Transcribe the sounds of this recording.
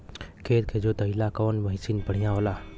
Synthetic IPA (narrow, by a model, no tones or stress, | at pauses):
kʰeːt̪kʰed͡ʒot̪ɐɪlakɔːnməɦɪsinpəɽ̤ijãolaː